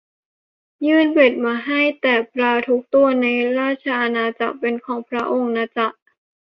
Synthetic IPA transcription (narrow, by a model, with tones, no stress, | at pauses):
jɯː˥˩npe˨˩t̪̚maː˧ɦa˥˩jt̪ɛː˨˩pɾaː˧t̪ʰu˦˥k̚t̪u˧ɐna˧jɾaː˥˩t̪̚t͡ɕʰa˧ʔa˧naː˧t͡ɕa̰˨˩k̚pe˧nkʰɔː˩˦ŋpʰɾa˦˥ʔo˧ŋnaː˧t͡ɕa˨˩ʔ̚